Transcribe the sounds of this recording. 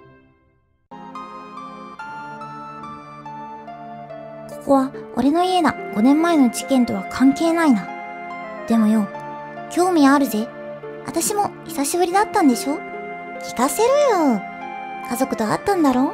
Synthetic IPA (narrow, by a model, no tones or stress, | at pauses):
ko̞̥ko̞βao̞̰ɾe̞no̞ie̞d̪aɡ̥o̞nẽ̞mːae̞no̞ʑikẽ̞nt̪o̞βakʰãŋke̞ːnaina | d̪̥e̞mo̞jo̞ː | kʲo̞ːmʲiaːɾɯ̟ze̞ | βa̰t̪aɕimo̞çi̥saɕibɯ̟ɾʲid̪at̪ːãnd̪e̞ɕo̞ː | kʲi̥kase̞ɾɯ̟jo | kazo̞kɯ̟t̪oa̰t̪ːãnd̪aɾo̞ː